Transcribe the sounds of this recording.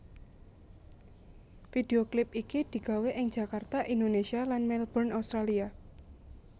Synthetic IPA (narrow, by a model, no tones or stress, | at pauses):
fideoklɪp̚ikid̪̥i̤ɡ̥a̤weʔɪŋd͡ʒ̥a̤kart̪aʔind̪onesialanmɛlbɔrnast̪ɾalia